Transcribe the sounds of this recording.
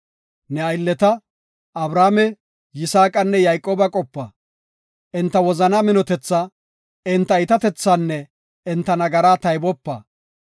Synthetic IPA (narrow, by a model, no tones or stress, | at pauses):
nɛɐjlːɛt̪ɐ | ɐbɾaːmɛ | jɪsaːkʼɐnːɛjajkʼoːbɐkʼɔpːɐ | ʔɪnt̪ːɐwɔzɐnamɪnɔt̪ɛt͡sːɐ | ɪnt̪ːɐɪt̪ɐt̪ɛt͡sːanːɛ | ɪnt̪ːɐnɐɡɐɾaːt̪ɐjbɔpːɐ̰